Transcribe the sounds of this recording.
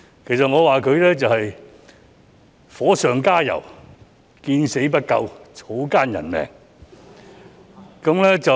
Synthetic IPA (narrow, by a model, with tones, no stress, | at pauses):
kʰe˨˩js̬ɐ˨t̚ŋɔː˨˧waː˨kʰɵ˨˧ɥlɛː˥t͡sɐ˨whɐ˨j | fɔː˨˥sœː˨ŋkaː˥jɐ̰˨˩w | kiː˧nse˨˥jp̬ɐ˥t̚kɐ˧wt͡sʰo˨˥wkaː˥njɐ̰˨˩nmɛ̰ː˨˩ŋ | kɐ˨˥mlɛː˥t͡sɐ˨